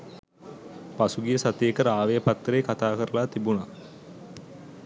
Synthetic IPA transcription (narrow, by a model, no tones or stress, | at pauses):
pasuɡijəsat̪eːkəɾəaːʋejəpat̪ːɾeːkat̪aːkəɾəlaːt̪ibuna